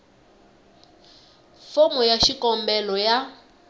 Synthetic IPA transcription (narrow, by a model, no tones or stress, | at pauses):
fomɔjaʃikɔmbɛlɔja